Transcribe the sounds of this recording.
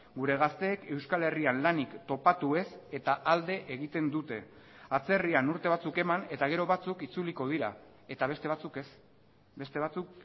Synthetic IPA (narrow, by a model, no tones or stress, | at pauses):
ɡuɾe̞ɣast̪e̞ːke̞wskale̞rianlanikt̪o̞pat̪ue̞se̞t̪aʔald̪e̞ʔeɣ̞it̪e̞nd̪ut̪e̞ | at͡se̞rianuɾt̪e̞β̞at͡suke̞mane̞t̪aɣ̞e̞ɾo̞βat͡sukit͡suliko̞ð̞iɾa | e̞t̪aβe̞st̪e̞β̞at͡suke̞s | be̞st̪e̞βat͡suk